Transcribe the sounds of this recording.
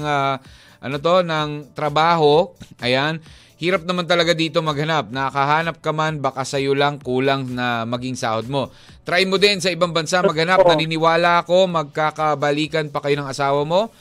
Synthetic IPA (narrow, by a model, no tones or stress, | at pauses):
ŋa | ʔɐnot̪o̞nɐŋt̪ɾɐbaːɦo̞ʔɐjan | hiːɾɐp̚nɐmant̪ɐlɐɡad̪iːt̪o̞mɐɡ̚hɐnap̚nɐkɐɦaːnɐp̚kɐmanbakasɐjolɐŋkuːlɐŋnɐmɐɡiŋsa̰ːhod̪̚mo̞ | t̪ɾaʔjmo̞d̪ɛnsɐʔɪbaŋbɐnsamɐɡ̚hɐnap̚nɐnɪnɪwaːlɐʔɐko̞mɐɡ̚kakɐbɐliːkɐnpɐkɐjo̞nɐŋɐsaːwɐmo̞